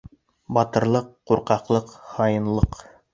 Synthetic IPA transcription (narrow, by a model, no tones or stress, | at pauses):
bɑt̪ɤ̆ɾlˠɤqːuɾqɑqlˠɤqhɑjɤ̆nlˠɤq